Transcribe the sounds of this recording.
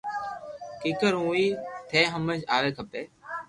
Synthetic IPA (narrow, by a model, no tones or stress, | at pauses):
kiːkəɾɦũːiːt̪ʰeːɦəmə̃d͡ʒaːʋeːkʰəpeː